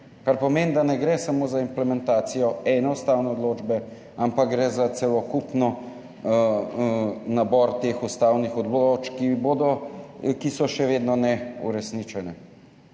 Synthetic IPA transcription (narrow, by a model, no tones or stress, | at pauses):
kaɾpɔmeːnd̪anɛɡɾɛsamoːzaimplɛmɛnt̪aːt̪sijɔɛnɛust̪aːwnɛɔd̪loːd͡ʒbɛ | ampak̚ɡɾɛzat̪sɛlɔkupnɔ | nabɔɾt̪eːxust̪aːwnixɔd̪lot͡ʃkibod̪ɔkisɔʃɛʋeːd̪nɔnɛṵɾɛsnit͡ʃɛnɛ